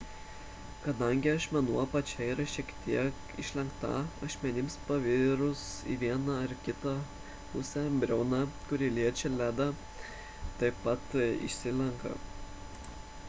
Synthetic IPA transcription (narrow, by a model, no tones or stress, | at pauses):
kɐd̪ɐŋʲɡʲɪɐʃmʲɛnuɔpɐt͡ʃʲɛiɾɐʃʲiɛkt̪ʲiɛk | ɪ̰ʃʲlʲɛŋkt̪ɑ̰ɐʃʲmʲɛnʲɪmspɐʋʲɪɾʊsḭʋʲiɛnɐɐɾkʲɪt̪ɑ | pʊsʲɛbʲɾʲɛʊnɑkʊɾʲɪlʲiɛt͡ʃʲɛlʲæːd̪ɐ | t̪ɐɪpɐt̪ɪ̰ʃʲsʲɪlʲɛŋkɐ̰